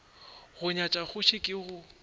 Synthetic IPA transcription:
ɣʊɲat͡ʃʼaχʊʃʰɪkʼɪɣʊ

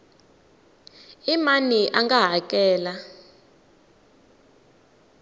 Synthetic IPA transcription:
imaniʔaŋɡaɦakʼɛːla

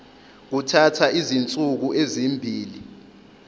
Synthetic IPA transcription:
k̬utʰatʰaʔizint͡sʼuk̬uʔezimbʱiːli

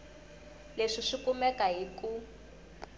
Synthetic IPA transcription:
leʂiʂikumɛkaɦiku

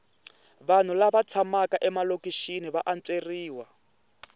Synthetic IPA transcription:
βan̤ulaβat͡sʰamakaʔɛmalokʼiʃiniβaʔant͡sʼeriːwa

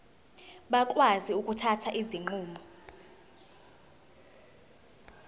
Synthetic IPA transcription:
ɓakʼwaziukʼutʰatʰaʔiziŋ͡ǃuːmʱɔ

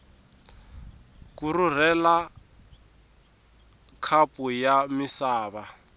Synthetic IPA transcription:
kurur̤ɛla | kʰapʼujamisaːβa

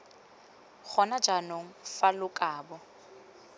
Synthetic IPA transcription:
k͡xʰɔnad͡ʒanoŋ̩falʊkʼaːbɔ

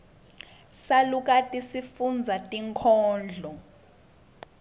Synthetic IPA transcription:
saluk̬ʼatʼisifund͡zʱatʼiŋkʰɔːnd͡ɮʱɔ

